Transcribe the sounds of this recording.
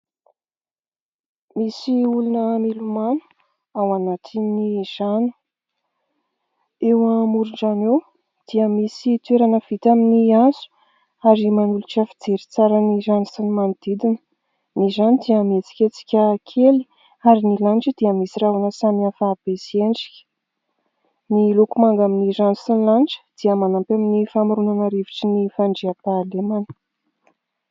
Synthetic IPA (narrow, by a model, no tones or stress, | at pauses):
misiulunəmilumanu̥ | awanat̪ʰiniz̥ani̥ | ewamuɾuɳɖ͡ʐanew | d̪̥iəmisit̪weɾanəv̥it̪aminiazu̥ | aɾimanuluʈ͡ʂafid͡zeɾit͡saɾənizanasanimanid̪id̪inə | nizanid̪iəmet͡si̥kʲet͡si̥kʲəkʰeli̥ | aɾinilaɳʈ͡ʂəd̪̥iəmisiravanəsamiafaːb̥esieɳɖ͡ʐi̥kʲə̥ | nilukumaŋɡaminiranusinilanʈ͡ʂə̥d̪̥iəmanampaminifamɾunanəɾiviʈ͡ʂinifaɳɖ͡ʐiapalemanə̥